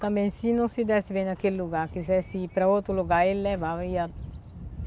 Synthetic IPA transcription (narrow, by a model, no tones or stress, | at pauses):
t̪ɐ̃mbɛ̃j̃sinõsid̪ɛsibẽj̃nɐkelluɡaɾkizɛsipɾɐot̪ɾuluɡaɾelːɛvaviɐ